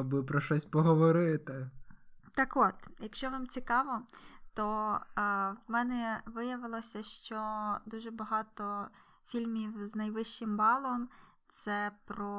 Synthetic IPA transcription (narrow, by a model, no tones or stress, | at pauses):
bɪpɾɔʃɔsʲpɔɦɔʋɔɾɪt̪ɪː | ɑkot̪jɐkʃt͡ʃɔʋɑmt͡sʲikɑʋɔt̪ɔ | ʋmɛnɛʋɪjɐʋɪlˠɔsʲɐʃt͡ʃɔd̪uʒɛbɐɦɑt̪ɔ | fʲilʲmʲiwznɐjʋɪʃt͡ʃɪmbɑlˠɔm | t̪sɛpɾɔ